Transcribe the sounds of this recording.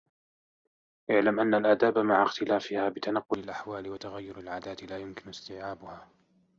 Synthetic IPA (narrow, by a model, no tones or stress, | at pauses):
ʔɪʕlamʔanːalʔaːd̪aːbmaʕaxt̪ɪlaːfɪhaːbɪt̪anɑqːʊlalʔaħwaːlɪwat̪aɣajːʊɾalʕaːd̪aːt̪ɪlaːjʊmkɪnɪst̪ɪːʕaːbʊhaː